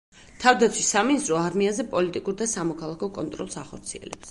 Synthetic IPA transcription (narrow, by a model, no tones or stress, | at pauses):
t̪ʰavd̪at̪sʰwisaminist̪ʼɾɔaɾmiazɛpʼɔlit̪ʼikʼuɾd̪asamɔkʰalˠakʰɔkʼɔnt̪ʼɾɔ̰lˠsaχɔɾt̪sʰiɛ̰lɛ̰pps